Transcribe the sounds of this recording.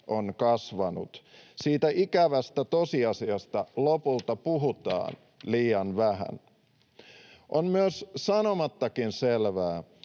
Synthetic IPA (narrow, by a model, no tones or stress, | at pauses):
ʔo̞nkɑsʋɑnṵt̪siːt̪æʔikæʋæst̪æt̪o̞siɑsiɑst̪ɑlopult̪ɑpuɦut̪ɑ̰ːn | liːɑnʋæɦæ̰n | ʔonmyøssɑnomɑt̪ːɑkinselʋæː